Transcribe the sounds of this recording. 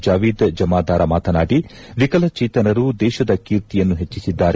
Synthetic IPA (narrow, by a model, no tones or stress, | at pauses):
d͡ʒaːʋiːd̪d͡ʒɐmaːd̪aːɾɐmaːt̪ɐnaːɖiʋikɐlɐt͡ʃiːt̪ɐnɐɾud̪ɛːʃɐd̪ɐkiːɾt̪ijɐnːuɦet͡ʃːisid̪ːaːɾe